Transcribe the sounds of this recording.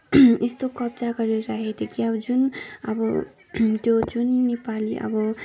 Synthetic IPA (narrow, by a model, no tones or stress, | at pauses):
est̪okʌb̚d͡zaɡʌɾeɾʌɦet̪ʰekiʌbʌd͡zunʌbʌ | t̪jod͡zunːepaliʔʌ̰bʌ